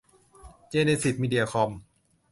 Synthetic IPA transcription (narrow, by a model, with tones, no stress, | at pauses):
t͡ɕeː˧ne˧si˨˩t̪̚miː˧di˧a˧kʰɔ˧m